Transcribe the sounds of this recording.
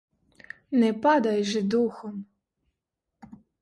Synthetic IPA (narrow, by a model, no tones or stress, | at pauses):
nɛpad̪ajʒɪd̪uxɔm